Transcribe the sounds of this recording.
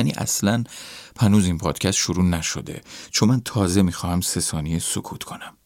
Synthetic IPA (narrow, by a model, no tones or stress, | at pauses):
ænḭːʔæ̰slænpʰænuːzinpʰɒːd̪̥cʰæst̪ʃoɾuːnæʃo̰d̪ḛt͡ʃʰomænt̪ʰɒːze̞miːxɒːhæmse̞sɒːnijesokʰuːt̪kʰo̞næm